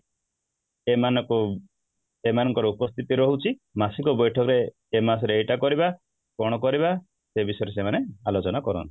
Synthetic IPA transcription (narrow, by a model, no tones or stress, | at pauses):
emanɔku | emanɔŋkɔɾɔupɔst̪ʰit̪iɾɔɦut͡ʃʰimasikɔbɔjʈʰɔkɔɾeː | mas̬ɔɾeejʈakɔɾiba | kɔɽ̃ɔkɔɾiβa | sebisɔjɔɾesemanealot͡ʃɔnakɔɾɔ̰nt̪i̥